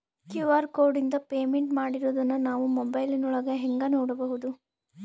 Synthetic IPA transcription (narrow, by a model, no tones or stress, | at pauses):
kjuʋaːɾkoːɾɖind̪ɐpeːmeɳʈmaːɽiɾoːd̪ɐnːunaːʋumɔbɐjlinuɭɐɡɐɦeŋɡɐnoːɽɐbɐɦud̪u